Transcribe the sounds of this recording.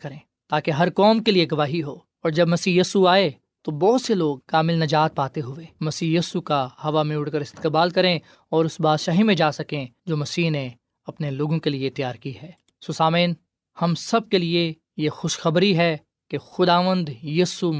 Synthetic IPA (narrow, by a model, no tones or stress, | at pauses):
kɐɾẽː | t̪aːkeɦɐɾkɔːmkelieɡɐʋaːɦiɦoː | ɔːɾd͡ʒɐbmɐsiːjiːsuaːe | t̪obɔːt̪seloːɡ̚kaːmɪlnɐd͡ʒaːt̪̚paːt̪eɦʊeːmɐsiːjiːsukahɐʋamẽʊɽkəɾɪst̪kɪbaːlkɐɾẽ | ɔːɾʊsbaːʃaːɦimẽd͡ʒaːsɐkẽd͡ʒoːmɐsiːɦne | ɐpneloːɡõkeliet̪jaːɾkiɦɛː | susaːmeːn | hɐmsɐb̚kelie | jexʊʃxɐbɾiɦɛ | kexʊd̪aːʋə̃nd̪jiːsu